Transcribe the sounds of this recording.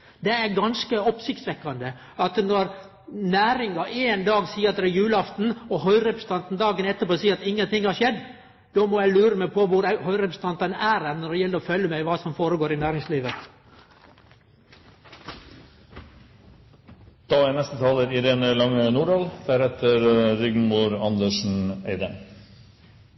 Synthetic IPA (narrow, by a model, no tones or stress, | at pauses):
d̪ɛæɡɑnskəɔpsɪkt̪sʋɛkːɑnd̪ə | ɑt̪nɔɾ | næːɾɪŋɑʔeːnd̪ɑːɡsiːəɾɑt̪ɾɛjʉːlɑft̪n̩ɔɦœʏɾɛpɾəst̪ɑnt̪nd̪ɑːɡənɛt̪ːəpoːsiːəɾɑt̪ɪŋːənt̪ɪŋːhɑɾʂɛd̪ː | d̪̥omɔjæɪlʉːɾəmæpʰɔʋʊɾhœʏɾɛpɾəst̪ɑnt̪ənæːɾɛnɔɖ̪ɛjɛlːəɾɔfœlːəmæɪʋɑːsɔmfoːɾəɡoːɾɪnæːɾɪŋsliːʋə | d̪̥ɑænɛst̪ət̪ʰɑːləɾɪd̪ɛnlɑŋːənuːɖɑːld̪̥æːɾhɛt̪əɾɾʏɡnmuɾɑnd̪əʂn̩æɪd̪ə